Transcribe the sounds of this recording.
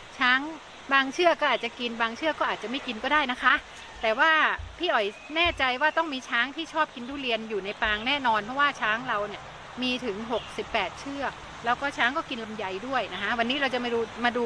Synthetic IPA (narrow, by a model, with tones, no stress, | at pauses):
t͡ɕʰaː˦˥ŋ | baː˧ŋt͡ɕʰɯ˥˩ɐkɔː˥˩ʔːt̪t͡ɕa˨˩ki˧nbaː˧ŋt͡ɕʰɯ˥˩kɔː˥˩ʔaː˨˩t̪̚t͡ɕa˨˩ma˥˩jki˧nkɔː˥˩daː˥˩jna˦˥kʰa˦˥ʔ | t̪ɛː˨˩waː˥˩pʰiː˥˩ʔɔ˨˩j | nɛː˥˩t͡ɕa˧jwaː˥˩t̪ɔ˥˩ŋmiː˧t͡ɕʰaː˦˥ŋt̪ʰiː˥˩t͡ɕʰɔː˥˩p̚ki˧nduː˥˩ɾi˧ənjuː˨˩na˧jpaː˧ŋnɛː˥˩nɔː˧npʰɔ˦˥waː˥˩t͡ɕʰaː˦˥ŋɾa˧wni˥˩ɐ | miː˧t̪ʰɯ˩˦ŋɦo˨˩k̚si˨˩pːɛː˨˩t̪̚t͡ɕʰɯ˥˩ɐ | lɛː˦˥wkɔː˥˩t͡ɕʰaː˦˥ŋkɔː˥˩ki˧nla˧mja˧jdu˥˩əjna˦˥kʰa˦˥wa˧nːiː˦˥ɾa˧wt͡ɕa˨˩ma˥˩duː˧maː˧duː˧